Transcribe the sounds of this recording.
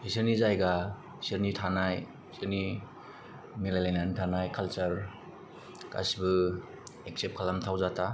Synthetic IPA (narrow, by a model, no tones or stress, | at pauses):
isɯɾnizajɡa | isɯɾnitʰanaj | siɾni | milajlajnantʰanajkʰalt͡ʃaɾ | ka̰sibɯ | ek̚sep̚kʰalamtʰawzatʰa